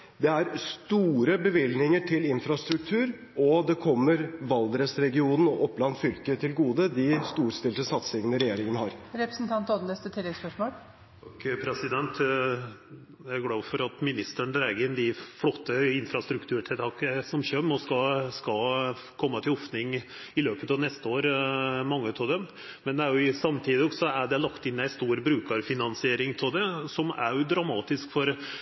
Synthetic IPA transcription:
d̪ɛæɾst̪uːɾəbəʋɪlnɪŋəʈʰɪlɪnfɾɑst̪ɾʉk̚t̪ʰʉːɾ | ɔd̪ɛkʰɔmːəɾʋɑld̪ɾəsɾɛɡɪuːnn̩ɔʔɔpːlɑnt̪fʏlkət̪ʰɪlɡuːd̪əd̪ɪst̪uːɾst̪ɪlt̪əsɑt̪sɪŋənəɾɛjeːɾɪŋənhɑːɾɾɛpɾəsnt̪ʰɑnt̪ɔd̪ənɛst̪ət̪ʰɪlːɛɡspœʂmoːl | ɑkpʰɾɛsɪd̪ɛnt̪ | æɡlɑːʋfɔɾɑt̪mɪnɪst̪əɳd̪ɾæːɡəɪnd̪ɪflɔt̪ːəɪnfɾɑst̪ɾʉkt̪ʰʉːʈʰɪlt̪ɑːkəsɔmçœmɔskɑskɑl | kʰɔmːət̪ʰɪlɔfnɪŋ | ɪløːpət̪ɑʋnɛst̪əoːɾmɑŋːət̪ʰɔd̪ɛm | mɛnd̪ɛæɾjʊɪsɑmt̪ʰiːd̪ɪɔɡsɔæɖɛlɑkt̪ɪnːæɪst̪uːɾbɾʉːkɑɾfɪnɑnsɪeːɾɪŋpʰɔd̪ɛsɔmæ̰jʊd̪ɾɑmɑːt̪ɪskfɔɾ

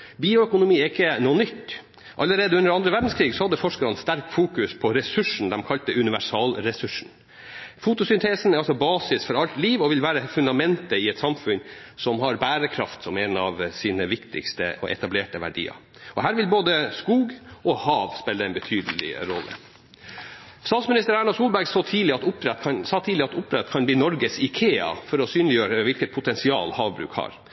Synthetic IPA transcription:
biːʊœkʊnʊmiːɛɪkːənuːənʏt̪ː | ʔɑ̰lːəɾeːd̪əʉnəɾɑnd̪ɾəʋæɖn̩skʰɾiːɡsɔhɑd̪ːəfɔʂkəɾɑnst̪æɾkfuːkʉspʰɔɾɛsʉʂɳ̩d̪ɛmkʰɑlt̪əʔʉnɪʋæʂɑːlɾɛsʉʂɳ̩ | fut̪ʊsʏnt̪ʰeːsn̩ɛɾɑlsɔbɑːsɪsfɔɾɑlt̪liːʋɔʋɪlʋæːɾəfʉnd̪ɑmɛnt̪əɪɛɪt̪sɑmfʉnsɔmɦɑɾbæːɾəkʰɾɑft̪sɔmɛnɑʋsiːnəʋɪkt̪ʰɪ̰kst̪ə̰ɔ̰ʔɛ̰t̪ɑbleːʈəʋæ̰ɖḭːɑ̰ | ɔɦæːɾʋɪlboːd̪əskuːɡɔhɑːʋspɛlːəɛɪnbɛt̪ʰyːd̪əlɪ̰ɾɔlːə̰ | st̪ɑːt̪smɪnɪst̪əɾæːɳɑsuːlbæɾɡsɑːt̪ʰiːlɪɑt̪ʊpɾɛt̪kʰɑnsɑːt̪ʰiːlɪɑt̪ʊpːɾɛt̪ːkʰɑnbliːnɔɾɡəsɪkʰeːɑ̰fɔɾɔsyːnlɪjøːɾəʋɪlkət̪̚pʰʊt̪ʰɛnsɪɑ̰ːlhɑːʋbɾʉ̰ːkhɑ̰ɾ

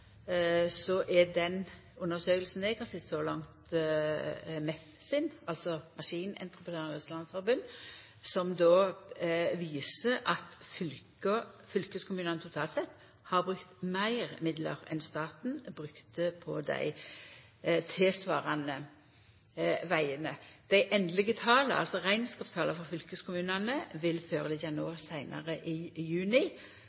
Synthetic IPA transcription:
sɔʔɛd̪ɛn | ʉnːəsøːkəlsn̩d̪ɛkʰɑsɪt̪sɔlɑŋt̪ | mɛfsɪnɑlt̪sɔmɑʂiːnɛ̰nt̪ʁəpət̪øːʁnəsɑnsfɔɾbʉnː | sɔmd̪oː | ʋiːsəʔɑt̪fʏl | əfʏlkəskʰʊmʉːnənət̪ʰʊt̪ʰɑːlt̪sɛt̪ː | hɑʁbʁʉkt̪mæɪʁmɪd̪lə̰ʁɛ̰nst̪ɑːt̪nbʁʉkt̪əpʰɔd̪æ̰ɪ | t̪ʰesʋɑːʁɑnə | ʋæɪənəd̪̥æɪʔɛnd̪lɪɡət̪ʰɑːləʔɑlsɔʁæɪnskɑːpst̪ʰɑːləfɔʁfʏlkəskʊmʉːnɑnəʋɪlføːʁəd̪ɪt̪jɑnəɑsæɪnʔɑ̰ʁəʔɪjʉːnɪ

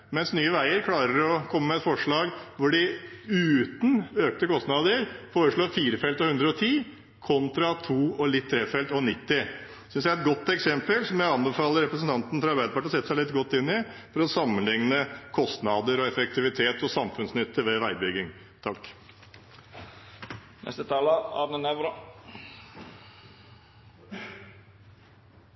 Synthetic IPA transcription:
mɛnsnyːəʋæɪəɾkʰlɑːɾəɾɔkʰɔmːəmɛt̪fɔʂɭɑːɡʋʊɖɪʉːt̪nøːk̚t̪əkɔst̪nɑd̪əɾfoːɾəʂɭoːɾfiːɾəfɛlt̪ɔhʉnd̪ɾəɔt̪ʰiː | kʰɔnt̪ɾɑt̪ʰuːɔlɪt̪ʰːɾeːfɛlt̪ɔnɪt̪ːɪ | sʏnsjæɪɛt̪̚ɡɔt̪ːɛksɛmpəlsɔmjæɑnbəfɑːləɾɛpɾəsnt̪ʰɑnt̪n̩fɾɑɾbæɪd̪əpɑʈɔsɛt̪ːəsæɪlɪt̪ɡɔt̪ːɪnːɪfɔɾɔsɑmːənlɪŋnəkʰɔst̪nɑd̪əɾɔɛfɛk̚t̪ʰɪʋɪt̪ʰeːt̪ɔsɑmfʉnsnʏt̪ːəɾʋɛʋæɪbʏɡɪŋ | t̪ʰɑkː | nɛ̰st̪ət̪ʰɑːləɑ̰ɾnənɛʋɾɑ

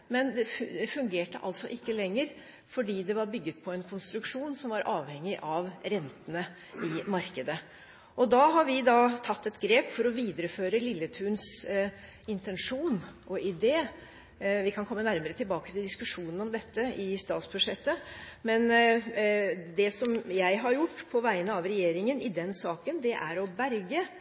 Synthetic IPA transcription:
mɛnd̪ɛɛfʉŋɡeːʈəʔɑ̰lt̪sɔʔɪkːəlɛŋːəɾ | fɔɖiːd̪ɛʋɑɾbʏɡːət̪̚pʰɔɛnkʰʊnst̪ɾʉkʂuːnsɔmʋɑɾʔɑːʋhɛŋːɪʔɑʋɾɛnt̪ənə | ɪmɑɾkəd̪ə | ʔɔd̪ɑːɦɑɾʋɪd̪ɑt̪ʰɑt̪ːɛt̪ɡɾeːpfɔɾɔʋiːd̪əɾəføːɾəlɪlːət̪ʰʉːns | ɪnt̪ɛnʂuːnʔɔɪd̪eː | ʋɪkʰɑnkʰɔmːənæɾməɾət̪ʰɪlbɑːkət̪ʰɪld̪ɪskʉʂuːnənɔmd̪ɛt̪ːəɪst̪ɑ̰ːt̪sbʉʂɛt̪ːəmɛn | d̪ɛsɔmjæɪɦɑɾjʊʈːpʰɔʋæɪənəɑʋɾɛjeːɾɪŋənɪd̪ɛnsɑːkənd̪ɛʔæɾɔbæɾɡə

